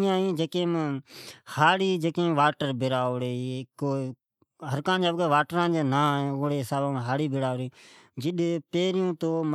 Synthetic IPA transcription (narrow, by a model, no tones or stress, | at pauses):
ãːĩːd͡ʒəkẽːm | haːɽiːd͡ʒəkẽːʋaːʈəɾbɪɾaːoɽeːkoː | ɦəɾkãːd͡ʒəːʋkeːʋaːʈɾãːd͡ʒeːnãːoːɽeːsaːbãːmɦaːɽiːbɪɽaːɾeː | d͡ʒɪɗpeːɾɪjũːt̪oːm